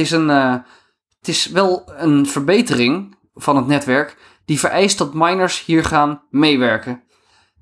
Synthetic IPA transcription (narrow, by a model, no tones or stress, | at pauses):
ɪsən | tɪsʋɛlˠənvəɹbejtərɪŋ | fɑnɦətnɛtʋɛɹk | d̥ivəɹʔɛjst̚dɔtmajnəɹshiːɹχaːnmejʋɛɹkə